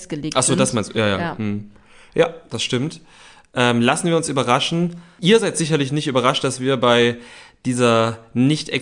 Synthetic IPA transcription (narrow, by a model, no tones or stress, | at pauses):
ɡ̥əleːʔaχz̥oːdasmaɪnstuːjaːja̰ːm̩hm̩ | jaːd̥asʃtɪmt | ʔɛːmlasn̩viːɐʊnsyːbɐʁaʃn̩ʔiːɐzaɪtz̥ɪç̬ɐlɪç̬nɪçtyːbɐʁaʃt̚d̥asv̥iːɐbaɪd̥iːzɐnɪçtʔɛ̰